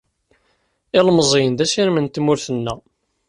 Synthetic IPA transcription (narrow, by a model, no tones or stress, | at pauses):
ɪlmzˤejənd̪æsiɾmənt̪mʊɾθənːæ